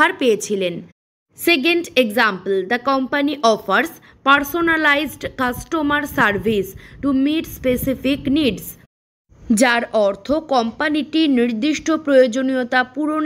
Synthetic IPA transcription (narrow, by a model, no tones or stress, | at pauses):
aɾpejet͡ɕʰilen | seɡ̬eɳɖeɡzampəld̪əkɔmpaniʔɔfʰaɾs | paɾsonalajzɖkasʈomaɾsaɾbʱisʈumiʈspesifikniɖs | d͡ʑaɾɔɾt̪ʰokɔmpaniʈiniɾd̪iʃʈʰopɾojod͡ʑoniot̪apuɾon